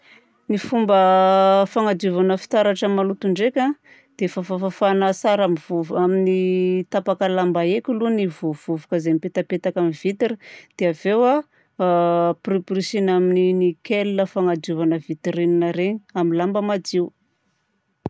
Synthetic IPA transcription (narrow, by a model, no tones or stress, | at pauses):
nifumbəfaŋad̪uvanəfi̥t̪aɾaʈ͡ʂamalut̪uɳɖ͡ʐekʲa | d̪̥efafafafanasaɾamivuvaminit̪apakəlambaekʲulunivuv̥uvukəzemipet̪apet̪akamiv̥it̪iɾid̪̥eavewa | priprisinamininikʲelinəfaŋad̪uvanəvit̪iɾininaɾeɲi̥amilambəmad͡ziw